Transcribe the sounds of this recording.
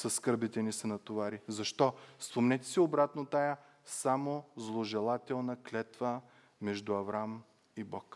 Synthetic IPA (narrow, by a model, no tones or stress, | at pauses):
sɐsːkɤɾbit̪ɛnisɐnɐt̪ovaɾizɐʃt̪ɔspomnɛt̪ʲɛ̥siobɾat̪not̪ajə | samozlˠoʒɛlˠat̪ɛlˠnɐklʲɛt̪və | mɛʒd̪ʊɐvɾam | ibɔk